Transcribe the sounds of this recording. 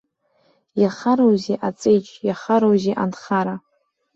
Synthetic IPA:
jaχaɾowziʔat͡sʼejt͡ʃʼʰjaχaɾowziʔa̰nχaɾa

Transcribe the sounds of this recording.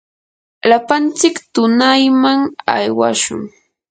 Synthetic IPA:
lapant͡sɪkt̪ʊnajmaŋa̰jwaʃʊ̰ŋ

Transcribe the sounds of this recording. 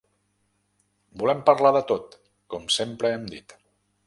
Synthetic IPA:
bulɛmpəɾlaðət̪ot̪ | kɔmsempɾəɛmd̪it̪

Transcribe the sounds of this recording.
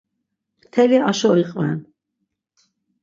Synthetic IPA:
t̪ʰɛliaʃɔɾiqʼvɛ̰n

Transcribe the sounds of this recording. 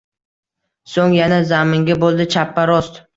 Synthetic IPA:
soŋjanazamɪŋɡʲabolˠd̪ɪt͡ʃʰapːaɾɒst̪

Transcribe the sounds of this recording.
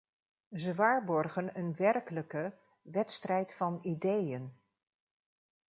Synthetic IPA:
zəʋaːɹbɔrχənənʋɛrkələkə | ʋɛtstrɛjtfɑnidejən

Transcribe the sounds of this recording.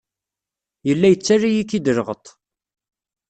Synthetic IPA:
jəlːæjət͡sːarːijikːid̪əɾʁət̪ˤ

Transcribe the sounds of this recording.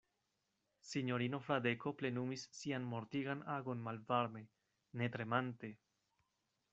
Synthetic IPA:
siɲo̞ɾino̞fɾade̞ko̞ple̞numisːianmo̞ɾtiɡanaɡo̞nmalvaɾme̞ | ne̞tɾe̞mante̞

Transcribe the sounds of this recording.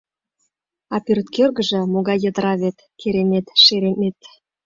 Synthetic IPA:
ɑpyrt̪kørɣə̆ʒɤ̆moɣɑjːə̆d̪əɾɑβet̪keɾenet̪ʃeɾenet̪

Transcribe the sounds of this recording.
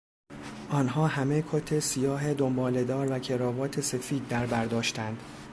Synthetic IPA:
ʔɒːnɦɒːɦæme̞kʰot̪ʰe̞sijɒːɦe̞d̪ombɒːle̞d̪ɒːɾvæcʰe̞ɾɒːvɒːt̪ʰe̞se̞fiːd̪̚ːæɾbæɾd̪ɒːʃt̪ænd̪̥

